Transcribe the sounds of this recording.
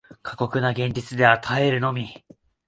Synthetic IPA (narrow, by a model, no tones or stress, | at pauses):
kʰḁko̞kɯ̟naɡẽ̞ɲ̟d͡ʑit͡sɨd̪e̞at̪ʰaeɾɯ̟no̞mʲi